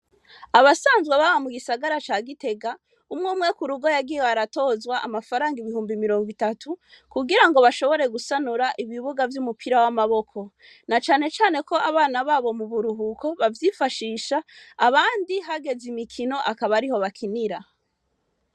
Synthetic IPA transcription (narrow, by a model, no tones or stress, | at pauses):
aβasaːnzɡweβaβamuɡisaɡaɾat͡ʃaːɡite̞ɡa | umŋuːmŋe̞kuɾuɡo̞jaɡijeweaɾato̞ːzwaʔamafaɾaːŋɡiβihuːmbimiɾo̞ːŋɡwitatʰukuɡiɾaŋɡo̞βaʃo̞βo̞ɾe̞ɡusanuɾaʔiβiβuɡavjumupʰiɾawamaβo̞kʰo̞ | nat͡ʃaːne̞t͡ʃaːne̞ko̞ʔaβaːnaβaːβo̞muβuɾuɦukʰo̞βavjifaʃiːʃaːβaːndiɦaɡe̞zimikʰino̞ʔakaβaɾiho̞βakʰiniɾa